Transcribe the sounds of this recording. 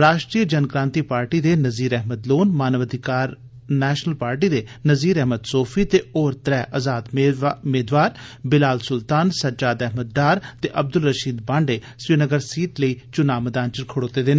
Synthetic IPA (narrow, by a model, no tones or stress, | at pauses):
ɾaːʃʈɾiːəd͡ʒənkɾãːnt̪iːpaːɾʈiːd̪eːnəziːɾɛɦməd̪loːnmaːnəʋəd̪ʱɪkaːɾ | nɛːʃnəlpaːɾʈiːd̪eːnəziːɾɛɦməd̪soːpʰiːt̪eːoːɾt̪ɾɛːʔəzaːd̪meːd̪ʋaːɾbɪlaːlsʊlt̪aːnsəɾd͡ʒaːd̪ɛɦməd̪̚ɖaːɾt̪eːʔəb̚d̪ʊlːəʃiːd̪bãːɳɖeː | sʋiːnəɡəɾsiːʈləiːt͡ʃʊnaːməd̪aːnt͡ʃəɾkʰoɽoːt̪eːd̪eːnː